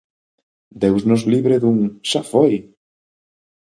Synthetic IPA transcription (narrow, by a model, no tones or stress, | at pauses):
d̪ewznozliβɾeðuŋʃafoj